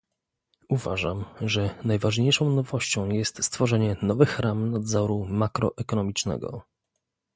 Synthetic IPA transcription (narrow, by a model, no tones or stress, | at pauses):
uva̰ʐamʐɛnajvaʐɲejʂɔ̃w̃nɔvɔɕt͡ɕɔ̃w̃jɛst̪st̪fɔʐɛɲɛnɔvɘxɾamnad̪zɔɾumakɾɔ̰ʔɛkɔnɔmʲit͡ʂnɛ̰ɡɔ̰